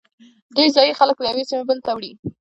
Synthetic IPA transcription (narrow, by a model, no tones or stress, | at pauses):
d̪ejzɑjixalək̚ləjawesimebəlt̪awɽi